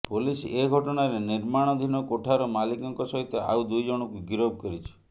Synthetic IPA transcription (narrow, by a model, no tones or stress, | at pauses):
puliseɡʱɔʈɔɽ̃aɾeniɾmaɽ̃ɔd̪ʱinɔkoʈʰaɾɔmalikɔŋkɔsɔɦit̪ɔa̰wd̪ujd͡ʒɔɽ̃ɔkuɡiɾob̚kɔɾit͡ʃʰɔ̥